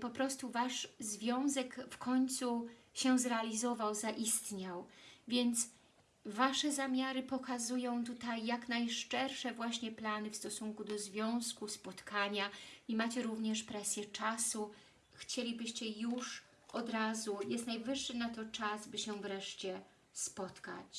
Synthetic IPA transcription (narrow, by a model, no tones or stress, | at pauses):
pɔpɾɔst̪uvaʂzvʲjɔ̃w̃zɛkfkʰɔɲt̪suɕɛzɾɛalʲizɔvawzaʔist̪ɲawvʲjɛnt̪s | vaʂɛzamʲaɾɘpɔkazujɔ̃w̃t̪̬ut̪ajːaknajʂt͡ʂɛɾʂɛvwaɕɲɛplanɘfst̪ɔsuŋkud̪ɔzvʲjɔ̃w̃skuspɔt̪kʰaɲaimat͡ɕɛɾuvɲɛʂpɾɛsʲjɛt͡ʂasu | xt͡ɕelʲibɘɕt͡ɕɛjuʂ | ɔd̪ɾazujɛst̪najvɘʂːɘnat̪ɔt͡ʂasbɘɕɛvɾɛʂt͡ɕɛ | spɔt̪ka̰t͡ɕ